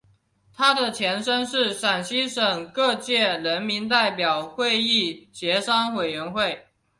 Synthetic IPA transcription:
t̪ʰa˥d̪ə˨t͡ɕʰjɛ˧˥nʂə˥nʂɻ̩˥˩ʂa˨˩nɕi˥ʂə˨˩ŋkɤ˥˧t͡ɕjɛ˥˩ɻə˧˥nmi˧˥nt̪̬a˥˩ɪpjɑ˨˩ʊxwe˥˧ɪi˥˩t͡ɕjɛ˧˥ʂɑ˥ŋwe˨˩ɪɥɛ˧˥nxwe˥˩ɪ

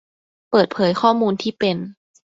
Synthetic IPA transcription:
pɤː˨˩t̪̚pʰɤː˩˦jxʰɔː˥˩muː˧nt̪ʰiː˥˩pe˧n

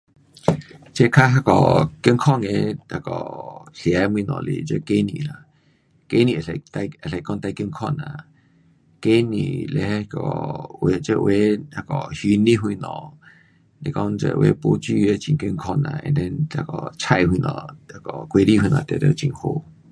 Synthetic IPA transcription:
t͡ʃe˦˧kʰa˦ɦa˦kɔ˨kə˦ŋkʰɔ˦˨ŋẽ˧˨a˧˨kɔ˨ɬja˨˧˦mwĩ˧˨nɔ̰̃˨lḭ˧˨d͡ʒə˦ke˦nĩ˧˨la˨ | ke˦nĩ˧˨e˧˨t̪a˧ə˨e˧˨kɔ˦nt̪a˧jkə˧ŋkʰɔ˦˨nã˨ | ke˦nĩ˨le˧hkɔ˨we˧t͡ʃə˦˧ʔwe˧˦ha˧kɔ˨hi˧˦nĩ˦ɦwi˧nɔ̃˨ | le˧˨kɔ˧nd͡ʒə̰˧˨ʔwe˧˦po˧˦t͡ʃi˦e˧t͡ʃĩ˧˨ŋkə˧ŋkʰɔ˦˧nã̰˧˨ḛ̃˧d̪ẽ˧nta˧˨kɔ˨t͡ʃʰa˦˨jwi˧nɔ̰̃˨a˧kɔ˨kʷe˧ɾi˦˨wi˧nã̰˨t̪a˨ɾe˧˦t͡ʃi˧˨ŋho˧˨

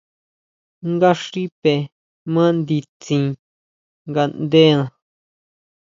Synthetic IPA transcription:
ŋɡa˦ʂi˦pe˨ | mã˦nd̪i˧t͡sĩ˧ | ŋɡa˧nd̪e˦nã˨˧

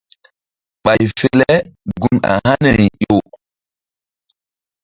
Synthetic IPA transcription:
ɓa˨jfe˦le˦ɡu˨na̰˨ha˦ne˨jo˨

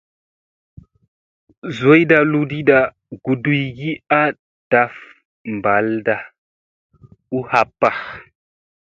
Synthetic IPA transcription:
zo˦jda˨lu˦di˦ɗa˨ | ɡ̥u˨du˨jɡi˦a˦ | d̥a˨f | mba˨lda˨ | u˦ha˨pːa˨x

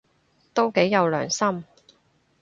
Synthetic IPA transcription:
t̪o˥wke˨˥jːɐ˨˧wlœ̰ː˨˩ŋsɐ˥m

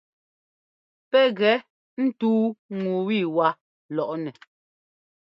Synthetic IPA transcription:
pɛ˦ɣɛ˨˦ | n̩˦tuː˦ŋu˨wi˦˨wa˦ | lɔ˨ʔnɛ˨

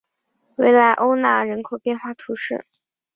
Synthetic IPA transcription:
we˥˩ɪla˧˥ɪʔo˥ʊna˥˩ɻə˧˥nkʰo˨˩ʊpjɛ˥˧nxwa˥˩t̪ʰu˧˥ʂɻ̩˥˩

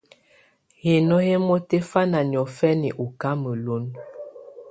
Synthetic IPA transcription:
he˨nɔ˦he˦mɔ˦te˦fa˦na˨ɲ˨ɔ˨fɛ˦ni˨ʔu˨ka˦mə˨lo˦n

